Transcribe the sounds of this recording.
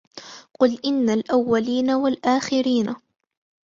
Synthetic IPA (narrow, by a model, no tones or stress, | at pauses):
qʊlʔɪnːalʔawːaliːnawalʔaːxɪɾiːna